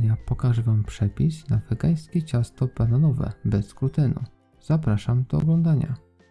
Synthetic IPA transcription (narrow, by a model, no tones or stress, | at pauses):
ɲapɔkaʐvampʂɛpʲisnavɛɡaj̃skʲɛt͡ɕast̪ɔbananɔvɛ̰bɛskɾut̪ɘnṵ | z̥apɾaʂamd̪̥ɔɔ̰ɡlɔnd̪aɲa̰